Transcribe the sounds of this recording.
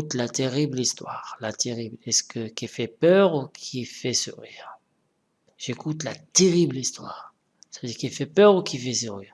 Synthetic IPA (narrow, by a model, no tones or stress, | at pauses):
t̪lat̪eʁiblist̪waʁlat̪eʁiblɛskəkʲifɛpœʁukʲʰifɛsuʁiʁ | ʒekut̪lat̪eʁiblist̪waʁ | savd̪iʁkifɛpœʁukʰifɛsuʁiʁ